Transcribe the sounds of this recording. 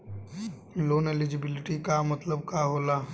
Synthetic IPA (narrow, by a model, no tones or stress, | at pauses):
loːnelɪd͡ʒɪbɪlɪʈikamət̪ləbkaɦoːlaː